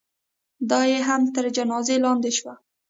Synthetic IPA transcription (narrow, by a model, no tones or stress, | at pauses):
d̪ɑjeɦamt̪əɾd͡ʒanɑzelɑnd̪eʃwa